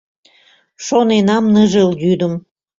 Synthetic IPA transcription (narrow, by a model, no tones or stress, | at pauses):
ʃonenɑmnəʒelɡyd̪əm